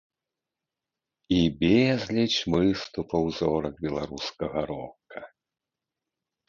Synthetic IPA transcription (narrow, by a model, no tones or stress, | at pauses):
ibʲezʲlʲit͡ʃʲmɨst̪upɐwzɔɾɐk̚bʲɛlˠaɾuskɐɣɐɾɔkɐ